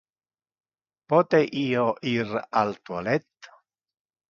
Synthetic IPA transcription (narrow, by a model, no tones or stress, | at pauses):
pɔt̪eʔiːoʔiɾa̰lt̪walɛt̪ː